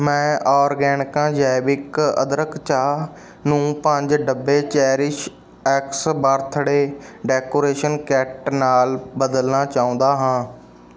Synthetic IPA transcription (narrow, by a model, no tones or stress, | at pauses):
mɛ̃ːʔɔːɾɡɛːnɪkãːd͡ʒaːbɪkə̰d̪ɾəkt͡ʃaː | nũːpəɲd͡ʒɖəbːeːt͡ʃɛːɾɪʃ | ɛːksbaːɾt̪ʰɽeːɖɛːkoːɾeːʃənkɛːʈnaːlbəd̪əlnaːt͡ʃaːũːnd̪aːɦãː